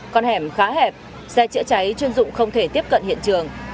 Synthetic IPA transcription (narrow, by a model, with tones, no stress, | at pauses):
kɔ˧nhɛ˧˩mxaː˨˦ɦɛ˨˩p̚ | sɛ˧t͡ɕɨ̰˧˥ət͡ɕa˨˦jt͡ɕwi˧ənzʊ̰˧˨ŋ͡mxə˧wŋ͡mt̪ʰe˧˩t̪i˦˥əp̚kə̰˧˨nhḭ˧˨ənt͡ɕɨ˨˩əŋ